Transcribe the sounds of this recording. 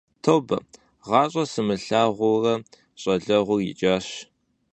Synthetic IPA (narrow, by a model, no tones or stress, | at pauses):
tʰowbɐ | ʁɑːɕʼɐsɨmɨɬaːʁʷʊrɐ | ɕʼɐɮɐʁʷʊjɪ̰t͡ʃʼaːɕ